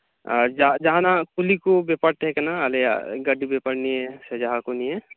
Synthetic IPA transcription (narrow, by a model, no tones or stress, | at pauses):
d͡ʒad͡ʒɐɦãnakulikobepəɽt̪ɦɛkenaəlḛɡəɖibepəɽniesed͡ʒaɦãkoniɦɛ